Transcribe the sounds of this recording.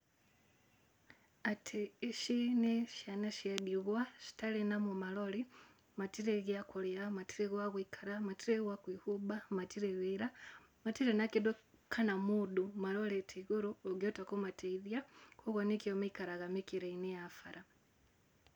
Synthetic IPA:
atʰiːʃineʃjanaʃadiɣwaʃi̥talenamumaloli | matiɾeɣakoleamatiɾeɣwaɣwikʰaɾamatiɾewakwihubamatiɾeβiɾa | matiɾenakidokʰanamudumaloletʰiɣuɾuoɡotakomatʰeiðjakoɣonekiomaikaɾaɣamikiɾeinejafaɾa

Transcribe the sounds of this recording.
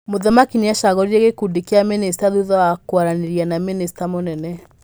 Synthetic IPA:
moðamakineaʃaɣɔɾiɾeɣekudekeamenesi̥taðuðɔwakwaɾaneɾianaminesi̥tamonɛnɛ

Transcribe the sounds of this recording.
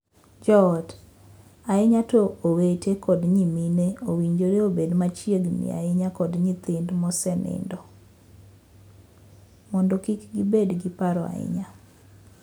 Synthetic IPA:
d͡ʒɔɔd | aɪɲatoowetekɔdɲimineowiɲd͡ʒoɾeobedmat͡ʃjeɡnɪ̰a̰ɪɲakɔdɲit̪ɪndmɔsɛnɪ̰ndɔ | mɔndɔkikɡibedɡɪpaɾɔa̰ɪ̰ɲa

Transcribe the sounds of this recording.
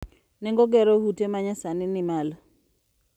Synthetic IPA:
nɛŋɡɔɡɛɾohutemaɲasanɪnɪmal

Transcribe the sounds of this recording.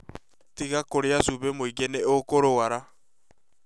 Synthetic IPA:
tiɣakoɾeasuβemoiɡeneokoɾowaɾa

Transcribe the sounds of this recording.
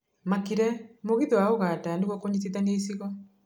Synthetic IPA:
makiɾɛmoɣiðɛwaoɣatandeɣwɔkoɲitiðaŋɡeisiɣɔ

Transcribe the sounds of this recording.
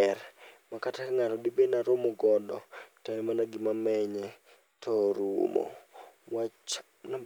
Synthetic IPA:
ɛɾmakatakaŋatɔdibenaɾomɔɡɔdɔ̰taɛmanaɡɪmamɛɲɛ | tʰɔɾṵmɔ̰ | wa | na

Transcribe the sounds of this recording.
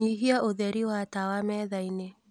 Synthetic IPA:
iɦiaʔoðɛɾiwatawamɛðaine

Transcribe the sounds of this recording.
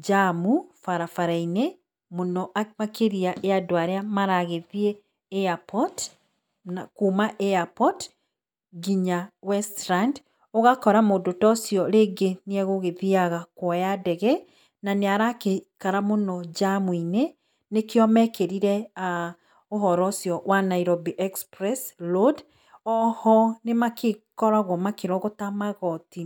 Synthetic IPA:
d͡ʒamufaɾafaɾaine | monɔʔamakeɾiaʔeadoaɾeamaɾaɣeðieː | apɔt | nakuːmaʔeapɔt | ɡiɲawɛstɾand | oɣakɔɾamodotɔsjɔɾeːɡeniɛɣoɣeðiaɣakwɔjadɛɣɛ | naneaɾakekaɾamonɔd͡ʒamwine | nekeɔmɛkeɾiɾɛa | oɦɔɾɔsjɔwanaiɾobiʔɛkspɾɛslod | ɔhɔnemakekɔɾaɣwɔmakeɾɔɣotamaɣɔti

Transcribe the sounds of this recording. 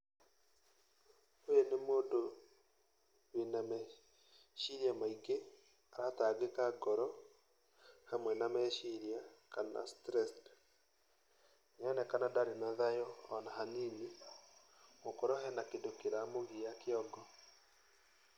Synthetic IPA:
ojenemoːndo | wenamɛ | ʃiɾiamaiɡe | aɾataɡekaɡɔɾɔ | hamwɛnamɛʃiɾiakana̰stɾɛst | ɲɛnɛkanadaɾenaðajɔːnaɦanini | mokoɾɔhɛnakedokeɾamoɣiakeɔɡɔ

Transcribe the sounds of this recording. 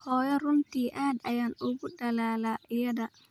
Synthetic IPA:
kɔjɔɾuntiʔaɗa̰janɔɡuɗːalaːlaʔjada

